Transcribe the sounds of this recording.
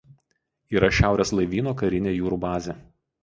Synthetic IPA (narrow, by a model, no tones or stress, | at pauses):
iːɾɐʃʲæˑʊɾʲeːslˠɐɪʋʲiːnoːkɐɾʲɪnʲeːjuːɾuːbɑːzʲeː